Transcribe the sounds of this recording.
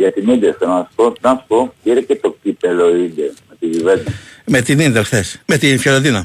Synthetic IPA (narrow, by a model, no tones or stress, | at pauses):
ʝɐt̪inid̪esenɐsu̥ponɐsu̥popiɾecet̪okipeloid̪emet̪iʝived̪ɐmet̪ininðelxθesmet̪infjeloðinɐ